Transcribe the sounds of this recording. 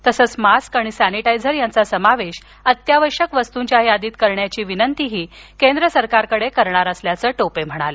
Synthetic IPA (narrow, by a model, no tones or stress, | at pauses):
t̪əsəːt͡smaskaɽ̃isæniʈaid͡zəɾjant͡sasəmaʋeɕ | ət̪jaʋəʂəkʋəst̪uɲt͡ɕjajjad̪iːt̪kəɾɳjat͡ɕiːʋinənt̪iɦiːkend̪ɾəsəɾkaɾkəɽekəɾɳaɾəsljat͡səːʈopem̤əɽ̃alə